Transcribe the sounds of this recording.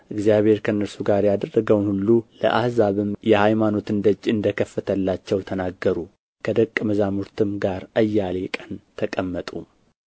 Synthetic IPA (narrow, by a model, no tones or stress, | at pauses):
ʔɨɡzijaβhe̞ɾkʰənːəɾsuɡaɾjad̪ərːəɡəwnhulːulə̰ʔahzaβɨmjɛhajmano̞t̪ɨnd̪ət͡ʃʼɨnd̪əkʰəfːət̪ʰəlːat͡ʃːɛwt̪ʰənaɡːəɾu | kʰəd̪əkʼːməzamuɾt̪ʰɨmɡaɾʔəjːale̞kʼənt̪ʰəkʼəmːət̪ʼu